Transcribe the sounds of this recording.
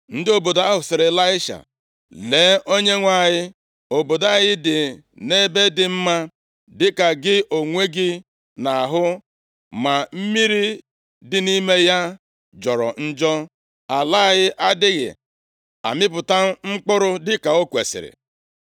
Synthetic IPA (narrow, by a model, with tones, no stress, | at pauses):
n̩˦dɪ˦o˨bo˨da˦ɦʊ˨sɪ˨ɾɪ˨la˦ɪ˦ʃa̰˨ | leː˨˦ʔo˦ɲe˦ŋʷa˦˨jɪ˦ | o˨bo˨da˦ɣɪ˦dɪ˨ | ne˦be˦dɪ˨m̩˦ma˦ | dɪ˦ka˨ɡɪ˦ʔo˨ŋʷe˦ɡɪ˦ | na˨a˨ɦʊ˦ | ma˨m̩˦mi˦ɾi˦ | dɪ˨ni˦me˦ja˦ | d͡ʒɔ˨ɾɔ̰˨n̩˦d͡ʒɔ˦ | a˨la˦a˨ɣɪ˦ʔa˦dɪ˦ɣɪ̰˨ | a̰˨mɪ˦p̬ʊ˨ta˦ŋ͡m̩˦k͡pʊ˦ɾʊ˦dɪ˦ka˨o˦kʷe˨sɪ̰˨ɾɪ̰˨